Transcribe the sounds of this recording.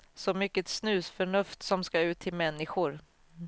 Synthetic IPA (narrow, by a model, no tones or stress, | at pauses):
sɔmʏkːət̪snʉ̟ːsfœɳɵft̪sɔmskaʉ̟ːt̪ʰːɪlmɛnːɪɧʊɾ